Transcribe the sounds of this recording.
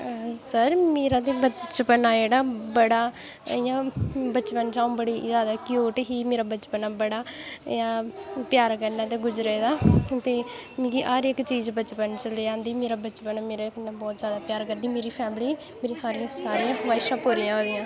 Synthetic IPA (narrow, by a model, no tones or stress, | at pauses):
səɾmeːɾãːt̪eːbət͡ʃpənaːd͡ʒeːɽaːbəɽaːjãːbət͡ʃpənt͡ʃaːũːbəɽiːzaːd̪aːkɪjoːʈɦiːmeːɾaːbət͡ʃpənaːbəɽaːjãːpjaːɾkəɾnaːt̪̬eːɡʊd͡ʒɾeːd̪aːt̪eːmeːɾiːʔəɾɪkːt͡ʃiːd͡ʒbət͡ʃpənt͡ʃəlːiːãːnd̪iːmeːɾaːbət͡ʃpənaːmeːɾekənːãːbɔːt̪zjaːd̪aːpjaːɾkəɾd̪iːmeːɾiːpʰɛːmliː | meːɾiːhaɾjãːsaːɾijãːʋaːɪʃãːpoːɾɪjãːoːd̪ɪjãː